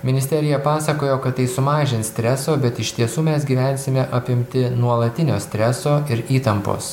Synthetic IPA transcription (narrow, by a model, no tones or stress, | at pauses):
mʲɪnʲɪsʲt̪ʲɛɾʲɪjɛpɑːsɐkoːjoːkɐt̪t̪ːɐɪsʊmɑːʒʲɪnsʲt̪ʲɾʲɛsoːbʲɛt̪ɪʃt̪ʲiɛsuːmʲɛsɡʲiːʋʲæˑnʲsʲɪmʲɛʔɐpʲɪmʲt̪ʲɪnuɔlˠɐt̪ʲɪnʲo̰ːsʲt̪ʲɾʲɛsoːɪɾiːt̪ɐmpo̰ːs